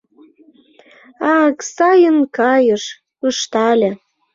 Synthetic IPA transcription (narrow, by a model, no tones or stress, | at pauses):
ɑksɑjənkɑjəʃ | əʃt̪ɑlʲĕ